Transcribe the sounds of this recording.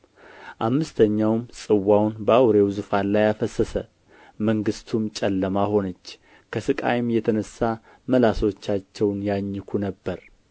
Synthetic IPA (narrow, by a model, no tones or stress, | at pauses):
ʔamːɨst̪ʰəɲːawmsʼɨwːawnbəawɾe̞wzɨfanlajafəsːəsə | məŋɡɨst̪ʰumt͡ʃʼɛlːəmaho̞nət͡ʃː | kʰəsɨkʼa̰jɪmjɛt̪ʰənəsːa | məlaso̞t͡ʃːat͡ʃːɛwnjaɲːɪkʰunəbːəɾ